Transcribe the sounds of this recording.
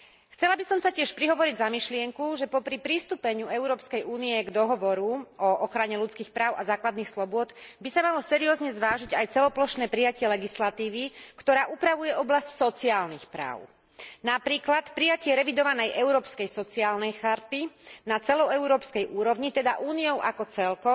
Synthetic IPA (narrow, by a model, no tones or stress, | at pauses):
xt͡sɛlabisɔmsacɪɛʃpɾiɦɔʋɔɾiɟzamiʃlɪɛŋkuʒɛpɔpɾipɾist̪upɛɲuɛʊɾɔːpskɛjuːniɛɡd̪ɔɦɔʋɔɾuɔʔɔxɾaɲɛlut͡skiːxpɾaːʊazaːklad̪niːxslɔbʊɔd̪bisamalɔsɛɾiɔːzɲɛzʋaːʒiɟajt͡sɛlɔplɔʃnɛːpɾijacɪɛlɛɡislat̪iːʋikt̪ɔɾaːʔupɾaʋujɛɔblascsɔt͡siaːlnixpɾa̰ːʊ | napɾiːklat̪pɾijacɪɛɾɛʋid̪ɔʋanɛjʔɛʊɾɔːpskɛjsɔt͡siaːlnɛjxaɾt̪inat͡sɛlɔɛʊɾɔːpskɛjʔuːɾɔʋɲit̪ɛd̪aʔuːniɔʊʔakɔt͡sɛlkɔ